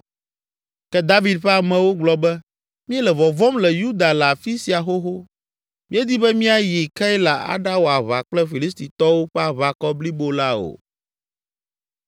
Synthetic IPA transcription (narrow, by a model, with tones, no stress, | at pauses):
kɛ˦d̪a˦vi˨d̪ɸɛ˦a˨mɛ̃˨wo˦ɡ͡blɔ˨bɛ˦ | mĩ˦ɛ˦lɛ˨vɔ˨vɔ˦mlɛ˨ju˦d̪a˨la˨fi˦si˨a˨xo˦xo˦ | mĩ˦ɛ˦d̪i˦bɛ˦mĩ˦a˦ji˨kɛ˦ɛ˦la˨a̰˦ɖa˦wo˨a˨βa̰˨k͡plɛ˦fi˨li˦s̬t̪i˨t̪ɔ˦wo˦ɸɛ˦a˨βa˨kɔ˦bli˦bo˦la˦o̰˨